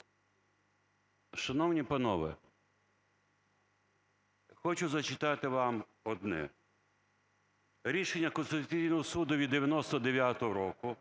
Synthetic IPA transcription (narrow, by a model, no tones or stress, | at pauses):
ʃɐnɔwnʲipɐnɔʋɪ̰ | xɔt͡ʃʊzɐt͡ʃɪt̪ɑt̪ɪʋɑm | ɔd̪nɛ̰ | ɾʲiʃenʲːɐkɔnst̪ɪt̪ʊt͡sʲijnɔɦɔsud̪ʊʋʲid̪ːeʋʲjɐnɔst̪ɔd̪eʋʲjat̪ɔɦɔɾɔkʊ